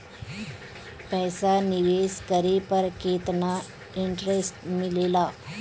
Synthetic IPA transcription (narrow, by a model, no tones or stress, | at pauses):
pɛjsaniʋeskəɾepəɾket̪na | iɳʈɾesʈmilela